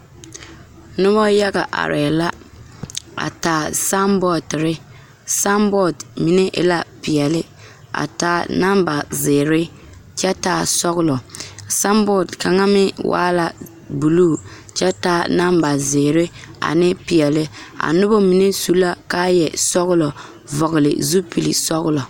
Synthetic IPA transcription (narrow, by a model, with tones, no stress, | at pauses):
nʊ˦βɔ˦ja˦ɣa˨ʔa̰˨ɾɛ˨la˦ | a̰˨taː˨sa˦mbɔ˦˨tɾɪ˦ | sa˦mbɔ˦˨dmi˨ne˦ʔɪ̰˦la˦pɪ˨ɛ˨lɪ˦ | a̰˨taː˦˨na˦mba˨zɪː˨ɾɪ˦ | t͡ʃɛ˦taː˨sɔ˦ɣʊ˦lɔ˨sa˦mbɔ˦˨dka˨ŋa˦mɪ˦wʔa̰ː˦la˦ | bu˨luː˦˨ | t͡ʃɛ˦taː˦˨na˦mba˨zɪː˨ɾɪ˦a̰˨nɪ˦pi˨ɛ˨lɪ˦a̰˨nʊ˦bo˦mi˨ne˦su˦la˦ka˦jɛ˨sɔ˦ɣʊ˦lɔ˨ | vɔ˨ɣʊ˨lɪ̰˨zu˦pi˨lḭ˨sɔ˦ɣʊ˦lɔ˨